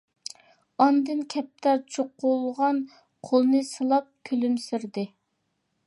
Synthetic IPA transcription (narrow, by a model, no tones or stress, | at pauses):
ɑnd̪ɨnkʲʰɛp̚t̪ʰæɾt͡ʃʰoqulˠʁɑn | qʰolˠnɨsɨlˠɑp̚kʲʰølymsɪɾd̪ɪ